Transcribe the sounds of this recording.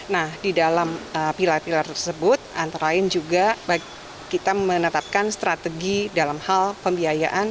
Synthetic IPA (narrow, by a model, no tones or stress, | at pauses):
nahdidalaməpilarpilart̪ərsəbʊt̪̚ʔant̪aɾaɪnd͡ʒuɡaba | kit̪amənət̪ap̚kanst̪ɾat̪əɡidalamhalpəmbiaja̰ʔan